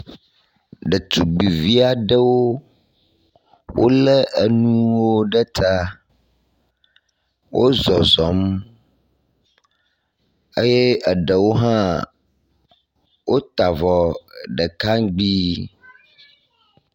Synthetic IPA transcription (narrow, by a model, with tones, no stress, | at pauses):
ɖə˨t̪u˨ɡ͡bi˨vi˦a˨ɖə˦wo˦ | wʔo˦lə˦ʔə˨nũ˦wo˦ɖə˦t̪ʰa˦ | wʔo˦zɔ˨zɔ˨˦m | ə˦je˦ə˨ɖə˨wo˦ɦã˦ | wʔo˦t̪a˨vɔ˨ɖə˨ka˦ŋɡ͡bi˦